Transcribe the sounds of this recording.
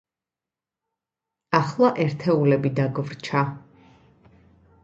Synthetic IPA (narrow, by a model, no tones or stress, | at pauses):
aχlˠaʔɛɾt̪ʰɛulɛbid̪aɡvɾt͡ʃʰa